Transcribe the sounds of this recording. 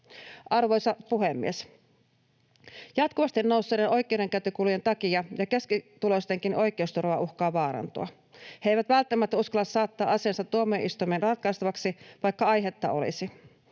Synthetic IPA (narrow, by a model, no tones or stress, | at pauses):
ʔɑrʋojsɑpuɦemːḭes | jɑt̪kuʋɑst̪inːowsːeideno̞jk̟ˑe̞uɾe̞ŋkæt̪ykuluje̞nt̪ɑkiɑjɑkeskit̪ulost̪e̞ŋkinʔo̞jk̟ˑe̞ust̪urʋɑ̰ʔuxkɑːʋɑːɾɑ̰nt̪ṵɑ̰ | heejʋæt̪ʋælt̪ːæmːæt̪ːæuskɑlːɑssɑːt̪ːɑːʔɑseːnsɑt̪ːuomːˑioʔist̪ujmeːnrɑt̪kɑjst̪ɑʋɑksiʋɑjkːɑɑjɦet̪ːɑ̰ʔo̞̰lḭsi